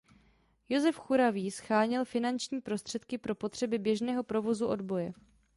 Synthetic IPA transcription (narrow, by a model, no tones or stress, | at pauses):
jo̞zɛfxuɾaviːsxaːɲɪlfɪnant͡ʃɲiːpɾo̞st̪r̥ɛt̪kɪpɾo̞po̞t̪r̝̥ɛbɪbjɛʒnɛːɦo̞pɾovo̞zuʔo̞dbo̞jɛ